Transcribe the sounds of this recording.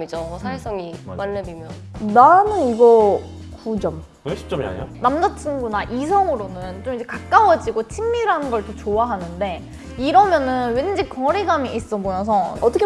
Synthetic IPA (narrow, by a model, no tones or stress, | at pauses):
mid͡ʑosʰaes͈ʌŋimanːebimjʌn | nanɯniɡʌ | kud͡ʑʌm | ɕʰi̥t͡ɕ͈ʌmḭa̰jo̰namdat͡ɕʰinɡunaʔis̬ʰʌŋɯɾonɯnt͡ɕ͈omid͡ʑe̞kak̚k͈awʌd͡ʑiɡot͡ɕʰimːiɾɯɭɦanɯnɡʌɭt͈ot͡ɕoaɦanɯnde̞ | iɾʌmjʌnɯnwend͡ʑikʌɾeɡamiʔis͈ʌbomjʌns̬ʰʌʌt͈ʌkʰ